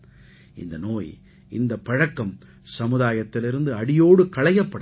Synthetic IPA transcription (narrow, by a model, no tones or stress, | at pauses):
ʔɪ̰nd̪ɐnoːj | ʔɪnd̪ɐpːɐɻɐkːɐm | sɐmɯðaːjɐt̪ːɪlɪɾɯnd̪ɯɐɽɪjoːɽɯkɐɭɐjɐpːɐɽ